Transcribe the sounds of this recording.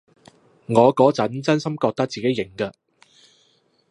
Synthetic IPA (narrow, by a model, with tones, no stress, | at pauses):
ŋɔː˨˧kɔː˨˥t͡sɐ˨˥nt͡sɐ˥nsɐ˥mkɔː˧k̚t̪ɐ˥k̚t͡siː˨ke˨˦jɪ˨˩ŋkɐ˧